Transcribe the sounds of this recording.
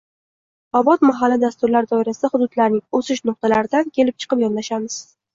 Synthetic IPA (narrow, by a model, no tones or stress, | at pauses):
ɒbɒt̪maɦalːɪd̪ast̪ʊɾlaɾd̪ɒɪɾasɪd̪ahʊd̪ʊd̪laɾnɪŋosɪʃnʊq̚t̪ʰalaɾɪd̪ankʲʰe̞lɪp̚t͡ʃʰɨ̥qɨpjɒnlaʃamɪz̥